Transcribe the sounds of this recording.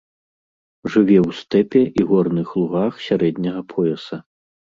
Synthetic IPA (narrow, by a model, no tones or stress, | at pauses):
ʐɨvʲɛwst̪ɛpʲɛʔiɣɔrnɨxlˠuɣaxsʲaɾɛd̪ʲnʲɐɣɐpʰɔjɛsɐ